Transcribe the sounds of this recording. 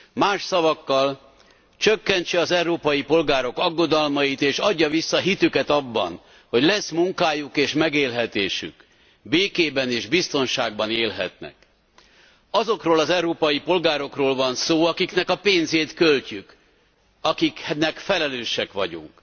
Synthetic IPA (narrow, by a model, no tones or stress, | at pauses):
maːʃsɒvɒkːɒl | t͡ʃøkːɛɲt͡ʃɛɒzɛwɾoːpɒjipo̞lɡaːɾo̞kɒɡːo̞d̪ɒlmɒjit̪eːʃɒɟːɒvisːɒɦit̪ykɛt̪ɒbːɒ̰n | ho̞ɟlɛsmuŋkaːjukeːʃmɛɡeːlɦɛt̪eːʃy̰k | beːkeːbɛneːʒbist̪o̞nʃaːɡbɒneːlɦɛ̰t̪nɛ̰k | ɒzo̞kroːlɒzɛwɾoːpɒjipo̞lɡaːɾo̞kroːlvɒnsoːɒkiknɛkɒpeːnzeːt̪kølcyk | ɒkiknɛkfɛlɛløːʃɛkʋɒɟṵŋk